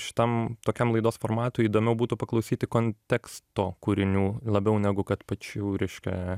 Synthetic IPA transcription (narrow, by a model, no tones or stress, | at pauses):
ʃʲɪ̥t̪ɐmt̪oːkʲɛmlˠɐɪd̪oːsfoːrmɑːt̪ʊiːd̪oːmʲɛʊbuːt̪ʊpɐklˠɐʊsʲiːt̪ʲɪkoːnʲt̪ʲɛkst̪oːkuːɾʲɪnʲuːlˠɐbʲɛʊnʲæɡʊkɐt̪pɐt͡ʃʲuːɾʲɛɪʃʲkʲɛ̰